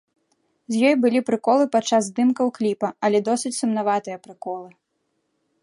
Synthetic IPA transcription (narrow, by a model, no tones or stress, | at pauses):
zʲjɔjbɨlʲipɾɨkɔlˠɨpatt͡ʂːazd̪ɨmkɐwklʲipɐɐlʲɛd̪ɔsʲɨt͡sʲsumnavat̪ɨjɐpɾɨkɔlˠɨ